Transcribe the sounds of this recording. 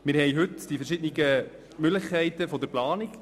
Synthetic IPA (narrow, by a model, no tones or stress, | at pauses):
mɪɾhɛjɦɵtd̥ifɛɾʃɪdniɡə | mʏɡləχkʰɛɪtəfɔd̪əɾplɑːnɪk